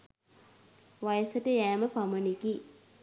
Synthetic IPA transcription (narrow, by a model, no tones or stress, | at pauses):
ʋajəsəʈəjæːməpaməneki